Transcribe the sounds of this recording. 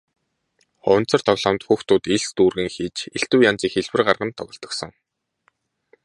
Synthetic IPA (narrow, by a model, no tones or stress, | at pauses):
χɔwn̥t͡sə̆r̥t̪ʰɔɣɮamt̪xuxt̪ʊːt̪iɮst̪uːrɣɘ̆ŋxiːt͡ɕeɬt̪uːjant͡siːxeɮwɘ̆rɢarʁə̆nt̪ʰːɔɣɞ̆ɬt̪ɞ̆ksɞ̆ŋ